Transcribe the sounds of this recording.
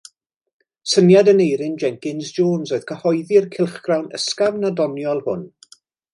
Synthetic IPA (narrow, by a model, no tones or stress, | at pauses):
sənjadənejɾɪnd͡ʒɛŋkɪnsd͡ʒoːnsoɨð̥kʰəhɔjðirkʰɪlˠχɡ̥rawnə̰skavnadɔnjɔlˠhʊ̰n